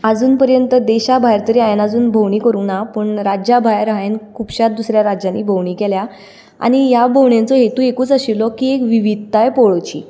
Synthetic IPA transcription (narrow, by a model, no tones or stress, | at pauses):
ad͡zuːnpəɾjənt̪əd̪eɕabʱajɾt̪əɾiːajnad͡zuːnbʱowɳiːkəɾuːnapəːɳɾad͡ʑabʱajɾaenkʰupɕat̪̚d̪usɾjaɾad͡ʑanːiːbʱowɳiːkelja | a̰ñijabʱowɳjãnt͡sɔɦet̪ũekuːt͡səɕilɔkiːekʋiʋid̪̚ʱt̪ajpoɭt͡ɕḭː